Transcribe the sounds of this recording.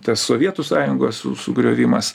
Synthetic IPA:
t̪ɐsːoːʋʲiɛt̪ʊsɑːjʊŋɡosʊ̰sʊɡɾʲoːʋʲɪmɐs

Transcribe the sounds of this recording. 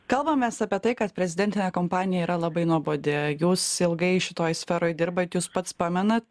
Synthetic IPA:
kɐlˠbɐmʲːɛsɑːpʲiɛt̪ɐɪkɐt̪pʲɾʲɛzʲɪd̪ʲɛnʲt̪ʲɪnʲɛːkoːmpɑːnʲɪjɛiːɾɐlˠɐbɐɪnuɔboːd̪ʲejuːsɪlˠɡɐɪʃʲɪt̪oːjsʲfʲɛːɾoːjd̪ʲɪɾbɐt̪juːspɐt̪spɑːmʲɛnɐt̪

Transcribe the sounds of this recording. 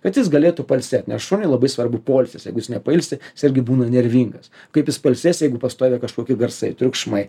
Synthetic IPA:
kɐt̪jɪs̬ɡɐlʲeːt̪ʊpɐlʲsʲɛt̪ʲnʲɛsʃonʲɪlˠɐbɐɪsʋɐrbʊpoːlʲsʲɪsjɛɪɡʊjɪsnʲɛpɐɪlʲsʲɪɪsɪɾʲɡʲɪbuːnɐnʲɛɾʲʋʲiːŋɡɐs | kɐɪpjɪspɐlʲsʲeːsjɛɪɡʊpɐst̪oːʋʲɛkɐʃkoːkʲɪɡɐrsɐɪt̪ʲɾʲʊkʃmɐɪ

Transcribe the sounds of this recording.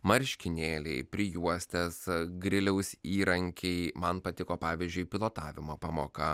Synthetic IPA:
mɐɾʲʃʲkʲɪnʲeːlʲɛ̰ɪpʲɾʲɪjuɔsʲt̪ʲɛsɡɾʲɪlʲɛʊsʲiːɾɐŋʲkʲʰɛɪmɐnpɐt̪ʲɪkoːpɑːʋʲizʲd͡ʒʲʊɪpʲɪlˠoːt̪ɑːʋʲɪmoːpɑːmoːkɐ

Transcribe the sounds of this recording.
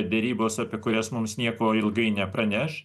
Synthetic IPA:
d̪ʲɛɾʲiːboːsɑːpʲiɛkʊɾʲɛsmʊmsnʲiɛkoːɪlˠɡɐɪnʲɛpɾɐnʲɛʃ

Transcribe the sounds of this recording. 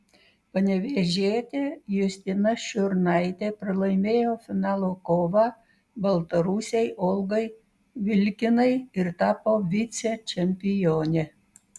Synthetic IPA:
pɐnʲɛʋʲeːʒʲeːt̪ʲejʊsʲt̪ʲɪnɐʃʲʊɾnɐɪt̪ʲepʲɾɪlˠɐɪmʲeːjoːfʲɪnɑːlˠokoːʋɑ | bɐlˠt̪ɐɾuːsʲɛjʔɔlˠɡɐɪ | ʋʲɪlʲkʲɪnɐɪɪɾt̪ɑːpoːʋʲit̪sʲɛt͡ʃʲɛmʲpʲɪjoːnʲe

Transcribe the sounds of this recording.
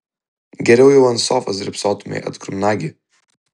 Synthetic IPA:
ɡʲɛɾʲɛʊjɛʊɐnsɔːfɐsd̪ɾʲɪpsɔːt̪ʊmʲɛ̰ɪʔɐ̰t̪kɾʊmʲnaːɡʲi

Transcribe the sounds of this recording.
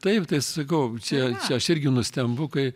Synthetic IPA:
t̪ɐɪpt̪ɐɪssɐkɐʊt͡ʃʲɛt͡ʃʲɛɐʃɪrʲɡʲɪnʊsʲt̪ʲɛmbʊkɐɪ

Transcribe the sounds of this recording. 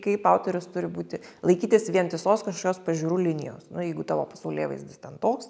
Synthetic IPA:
kɐɪpɑʊt̪ʲoɾʲʊst̪ʊɾʲɪbuːt̪ʲɪlˠɐɪkʲiːt̪ʲɪsʋʲiɛntʲɪsoːskɐʃkoːkʲoːspɐʒʲuːɾuːlʲɪnʲɪ̰jo̰ːsnʊjɛɪɡʊt̪ɑːʋo̰ːpɐsɐʊlʲeːʋɐɪsd̪ʲɪst̪ʲɛnt̪oːks

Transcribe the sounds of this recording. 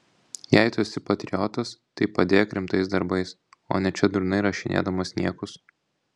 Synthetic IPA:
jæɪt̪osʲɪpɐt̪ʲɾʲɪjɔt̪ɐst̪ɐɪpɐd̪ʲeːjɛkʲɾʲɪmt̪ɐɪsd̪ɐɾbɐɪs | o̰ːnʲɛt͡ʃʲɛd̪ʊɾʊnɐɪɾɐʃʲɪnʲḛːd̪ɐmɐsʲnʲiɛkʊs

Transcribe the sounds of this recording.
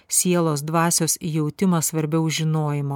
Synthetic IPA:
sʲiɛlˠoːs̬d̪ʋɑːsʲoːsjɛʊt̪ʲɪmɐsʋɐɾʲbʲɛʊʒʲɪnoːjɪmo

